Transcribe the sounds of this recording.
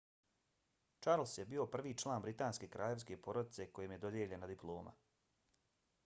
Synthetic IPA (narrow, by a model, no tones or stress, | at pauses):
t͡ʃaɾlˠsjebiːo̞pr̩ʋiːt͡ʃlˠaːnbɾit̪aːnske̞kɾʔaːʎe̞ʋske̞po̞ɾod̪it̪se̞ko̞jemje̞d̪o̞d̪jeʎe̞nad̪iplˠo̞ːmʔa̰